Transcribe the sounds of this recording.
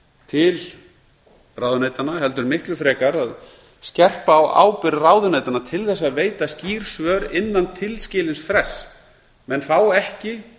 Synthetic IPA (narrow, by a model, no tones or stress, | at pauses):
t̪ʰɪl | raːwðʏneːjt̪anaɦɛl̪t̪ʏɾmɪhklʏfɾɛːkaɾað | scɛr̥paːwa̰ːwpɪɾraːwðʏnejt̪anat̪ʰɪlθɛsːaðveːjt̪asciːɾ̥svœːɾɪnːant̪ʰɪlscɪːlɪnsfɾɛs | mɛnθaːwɛhcɪ